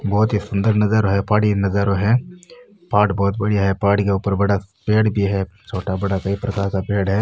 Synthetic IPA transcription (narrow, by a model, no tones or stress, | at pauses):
bɔːt̪ɦisʊ̃nd̪əɾnɐzəɾoɦɛpaːɽinɐzəɾoɦɛ̃ | paːʈbɔːt̪̚bɐɽijaɦɛpaːʈkeuːpəɾbɐɽapeːɽbʱiɦɛt͡ʃʰoːʈabɐɽakɐipɾɐkaːɾkapeːɽɦɛː